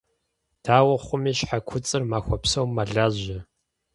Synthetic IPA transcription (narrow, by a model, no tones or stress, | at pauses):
tʰaːwɐχʷʊmiːɕħakʷʰʊt͡sʼɨrmaːxʷɔpsɐwmːaɮaːzɐ